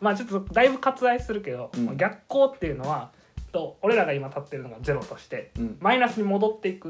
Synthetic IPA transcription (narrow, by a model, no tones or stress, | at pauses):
mat͡ɕo̞t̪ːod̪aibɯ̟kat͡sɨd̪aisɨɾɯ̟ke̞d̪o̞moɡʲakːo̞ːt̪ːe̞jiɯ̟no̞β̞a | t̪ːo̞oɾe̞ɾaɡaimat̪at̪ːe̞ɾɯ̟noɡad͡ze̞ɾo̞t̪o̞ɕi̥t̪e̞mainasɨɲ̟imo̞d̪o̞t̪ːe̞ikɯ̟